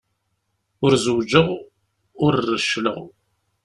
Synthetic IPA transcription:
ʊɾzəwd͡ʒəʁ | ʊɾrːəʃlə̰ʁ

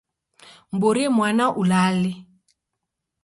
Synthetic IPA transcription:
m̩boɾimwanaʔulalɪ

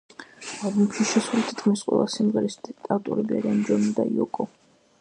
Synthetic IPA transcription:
alˠbumʃiʃɛsulit̪ʰi̥t̪ʰkʰmisqʼwɛ̰lˠasimʁɛɾist̪ʼat̪ʼṵɾibɛ̰ɾɛnd͡ʒɔmid̪aiɔkʼɔ

